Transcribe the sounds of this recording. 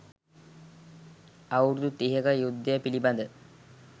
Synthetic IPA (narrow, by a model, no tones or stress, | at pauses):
ɐwɾud̪ut̪iɦɐɡɐjud̪ːɐɐpilibɐnd̪ə